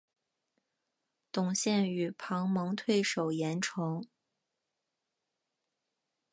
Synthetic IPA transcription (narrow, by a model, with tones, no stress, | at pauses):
t̪ʊ˨˩ŋɕjɛ˥˩ny˨˩pʰɑ˧˥ŋmɤ˧˥ŋt̪ʰwe˥˩ɪʂo˨˩ʊjɛ˧˥nʈ͡ʂʰɤ˧˥ŋ